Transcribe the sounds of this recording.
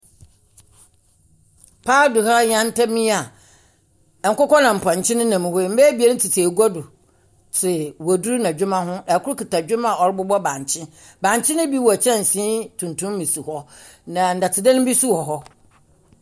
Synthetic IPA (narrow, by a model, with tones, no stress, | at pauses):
pʰaː˦dʊ˨ɦa˦ɲã˦n˦tʰa˦mĩ˦a˨ | ŋ̩˨kʊ˦kɔ˦nã˨m̩˨pʰã˨ɲ̩˨t͡ɕʰɪ̃˦nʊ̃˦nã˨m̃˨ho˦˨m̩˦bɛ˦bi˨˦ɛ˦nɪ˦tʰɪ˨tʰi˨e˨ɡu˦a˦dʊ˨ | tʰɪ˨wo˨du˦ɾu˦nã˨d͡ʑᶣʊ˦mã˦ɦʊ̃˦ɛ˨kʰʊ˦ʊ˦kʰi˨ta˨d͡ʑᶣʊ˦mã˨ɔ˨ɾɪ˦bʊ˦bɔ˦bã˨ɲ˨t͡ɕʰɪ̃˦ | bã˨ɲ˨t͡ɕʰɪ̃˦nʊ̃˦bi˦wɔ˨æ˨t͡ɕʰɛ˦n̩˨sĩ˦tʰũ˨ntʰũ˦m˦mĩ˨su˨hɔ˦nã˨n̩˨da˨tʰɪ˨dɛ̃˦ñ˦m˦bi˦su˦hɔ˨ɦɔ˦